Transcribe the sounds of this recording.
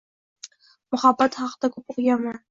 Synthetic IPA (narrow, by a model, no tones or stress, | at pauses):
mʊχɑbːat̪χɑqd̪akʲʰɵp̚oqjaman